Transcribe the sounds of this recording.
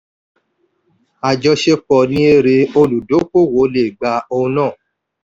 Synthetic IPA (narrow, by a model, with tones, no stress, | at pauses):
a˨d͡ʒɔ˧ʃe˧k͡pɔ˨nĩ˧˦e˧ɾe˧o˧lu˨do˨˦ko˦˨wo˨˦le˨ɡ͡ba˧õ˧nãː˦˨